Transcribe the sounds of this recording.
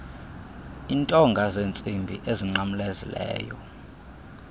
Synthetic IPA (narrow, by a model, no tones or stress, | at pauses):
intʼɔŋɡʱazent͡sʼimbʱiʔeziŋ͡ǃamulezḭlɛ̰ːjɔ̰